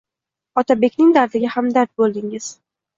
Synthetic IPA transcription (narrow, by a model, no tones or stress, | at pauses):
ɒt̪ʰabe̞kʲnɪŋd̪aɾd̪ɪɡʲahamd̪aɾt̪̚bolˠd̪ɪŋɪz̥